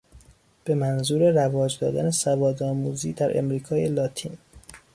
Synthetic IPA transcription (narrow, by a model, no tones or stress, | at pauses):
b̥e̞mænzuːɾe̞rævɒːd͡ʒd̪ɒ̰ːd̪æ̰nesævɒːd̪ɒːmuːziːd̪æɾʔḛmɾiːkʰɒːjelɒːt̪ʰḭːn